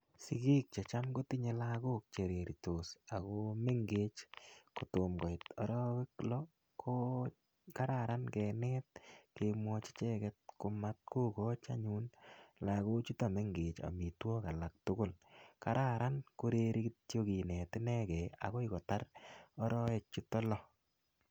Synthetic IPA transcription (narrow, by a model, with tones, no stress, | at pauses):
si˨ki˦k̚t͡ʃe˨t͡ʃa˦mɡo˦ti˦ɲe˦laɡo˦k̚t͡ʃe˨ɾe˨ɾi˨to˨sa˨ɣome˦ŋɡeː˦t͡ʃkʊ˨tʊ˨mɡɔ˨ɪtɔ˦ɾɔkɪ˦klɔ | ko | ka˦ɾaɾankɛnɛ˦t̚kemwɔt͡ʃe̥˦t͡ʃɛ˦kɛt̚kʊ˨ma˦t̚ku˦kɔ˦t͡ʃa̰˦ɲu˦nla˨ɣo˦t͡ʃu˦to˨me˦ŋɡeː˨t͡ʃa̰˨mi˨twɔ˦ka˨la˨k̚tʊ˦kʊ˦lka˦ɾa˦ɾʔa˦nko˦ɾe˦ɾi˦kitjoki˨nɛ˨tɪ˦nɛ˦kɛa̰˨ko˦ɪ˦kɔ˨ta˦rɔ˦ɾɔ˦e˨k̚t͡ʃu˦tɔ˦lɔ